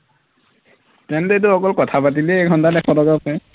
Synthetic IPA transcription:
tɛntɛet̬ʊɔkɔlkɔtʰapat̬ilɛːɡʱɔntadɛkʰɔdɔɡapɛ

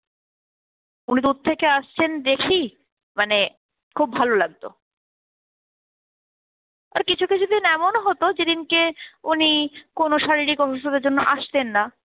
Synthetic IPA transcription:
unid̪ud̪̚t̪ʰːekeaʃt͡ɕʰend̪ekʰi | mane | kʰubbʱalolaɡ̚t̪o̰ | a̰ɾkit͡ɕʰukit͡ɕʰud̪inɛmonɦot̪od͡ʑed̪inkeunikonoʃaɾiɾikɔʃoʃod̪eɾd͡ʑonːoʔaʃt̪enːa

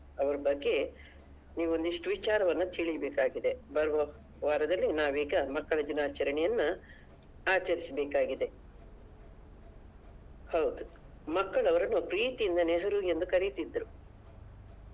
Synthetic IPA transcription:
ɐʋɐɾɐbɐɡːe̞ | niːʋuo̞nd̪iʂʈuʋit͡ʃaːɾɐʋɐnːɐt̪ʰiɭijɐbeːkaːɡid̪e̞bɐɾʋɐ | ʋaːɾɐd̪ɐlːinaːʋiːɡɐmɐkːɐɭɐd͡ʒ̪inaːt͡ʃɐɾɐɳɛjɐnːu | aːt͡ʃɐɾisɐbeːkaːɡid̪e̞ | hɐwd̪u | mɐkːɐɭɐʋɐɾɐnːupɾiːt̪ijind̪ɐneɦɐɾue̞nd̪ukɐɾit̪id̪ːɾu

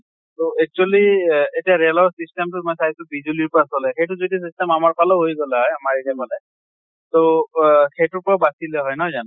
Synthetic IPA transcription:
toɛk̚t͡ʃualietiaɹɛlɔɹsistemtʊmɔjsaɦsʊbizuliɹpɹasɔlɛxejtʊzodis̬istɛmamaɹpalɔɦojɡɔlɛɦɔjamaɹiɡɛmɔlɛ | toxejtʊɹpɔɹabasilɛɦɔjnɔzan

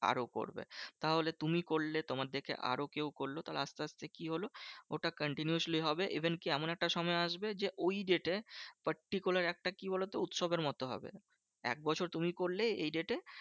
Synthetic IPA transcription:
a̰ɾoko̰ɾbḛt̪aɦolet̪umikoɾlet̪omaɾd̪ekʰḛʔa̰ɾokewkoɾlot̪alḛast̪east̪ʰekiɦolooʈakəɳʈinjuuʃliɦɔbeʔibʱenkiɛmonɛk̚ʈaʃɔmɔeaʃbed͡ʑeʔojɖeʈepəɾʈikulaɾɛk̚ʈakibolot̪eut̪ʃobeɾmɔt̪oɦɔ̰bḛ | ɛ̰k̚bɔt͡ɕʰoɾt̪umikoɾlejḛjɖeʈe

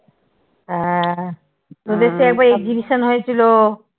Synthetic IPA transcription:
ɦɛ | od̪eʃeɛk̚baɾek̚d͡ʑibiʃonɦojet͡ɕʰilo

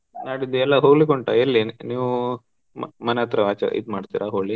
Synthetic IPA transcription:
naːɽid̪ɛlːɐɦoːɡlikoɳʈa̰elːiniːʋu | mmɐneɐt̪ɾɐaːt͡ʃɐ̰ḭd̪maːɖt̪iɾʔaɦoːɡɭi

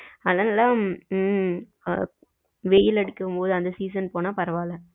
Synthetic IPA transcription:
ɐlɐnɐːlãː | ʋeːjɪlɐɽɪkːɯmpoːðɯɐnd̪ɐsiːsɐnpoːnaːpɐɾɐʋaːlɛ̃

